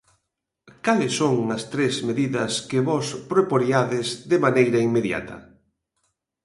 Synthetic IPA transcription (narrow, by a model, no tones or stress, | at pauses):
kalɪsːoŋɐst̪ɾezmeðiðɐskɪβɔspɾopoɾiaðɪzðɪmanejɾɐiŋmeðja̰t̪ʰɐ̰